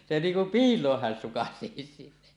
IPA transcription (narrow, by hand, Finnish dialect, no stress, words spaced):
se niːŋ kum piːlˑoːh hæn sukɑseˑisi